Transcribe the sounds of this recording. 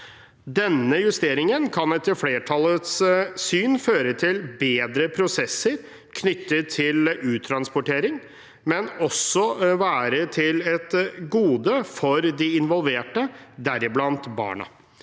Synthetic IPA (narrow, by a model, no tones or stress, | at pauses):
d̪ɛnːəjʉst̪eːɾɪŋənkʰɑnɛt̪ːəɾfleːʈʰɑlət̪ssyːnføːɾət̪ʰɪlbeːd̪ɾəpʰɾʊsɛsːəɾ | kʰnʏt̪ːət̪ʰɪlʉːt̪ʰɾɑnspɔʊʈeːɾɪŋ | mɛnɔsɔʋæːɾət̪ʰɪlɛt̪ɡuːd̪əfɔɾd̪ɪɪnʋɔlʋeːʈəd̪æɾɪblɑnt̪bɑ̰ːɳɑ̰